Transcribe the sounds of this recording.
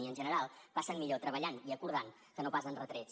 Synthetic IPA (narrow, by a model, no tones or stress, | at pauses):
iənʒənəɾalˠpasənmiʎot̪ɾəβəʎaniəkuɾð̞aŋ | kənopasənrət̪ɾet͡s